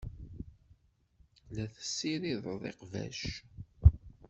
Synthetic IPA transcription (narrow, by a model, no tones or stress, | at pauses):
læθə̥sːiɾiðˤðˤḛqvæ̰ʃ